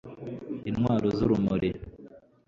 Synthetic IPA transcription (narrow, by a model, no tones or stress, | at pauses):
inŋwaːɾozuɾumuɾe